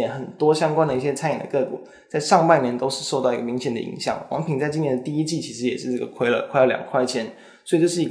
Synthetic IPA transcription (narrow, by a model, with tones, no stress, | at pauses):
nxə˨˩nt̪wɔ˥ɕjɑ˥ŋkwa˥nd̪ə˧i˥˩ɕjɛ˥t͡sʰa˥ni˨˩d̪ə˩kɤ˥˩kṵ˨˩ | t͡sa˥˧ɪʂɑ˥˧ŋpa˥˩njɛ˧˥nt̪o˥ʊʂɻ̩˥˧ʂo˥˧ʊt̪ɑ˥˩ʊi˧˥ɡə˧˩mi˧˥ŋɕjɛ˨˩ndə̰˩ḭ˧˥ŋɕjɑ̰˥˩ŋwɑ̰˧˥ŋpʰi˨˩ŋt͡sa˥˩ɪt͡ɕi˥njɛ˧nd̪ə˨˧t̪i˥˩i˥t͡ɕi˥˩t͡ɕʰi˧˥ʂɻ̩˧˥jɛ˨˩ʂɻ̩˥˧ʈ͡ʂɤ˥˩ɡə˨˩kʰwe˥ɪlə̰˧˩kʰwe˥˧ɪlə˧ljɑ̰˨˩ŋkʰwa˥˩ɪt͡ɕʰjɛ˥n | sswi˨˩t͡ɕo˥˧ʊʂɻ̩˥˩i˧˥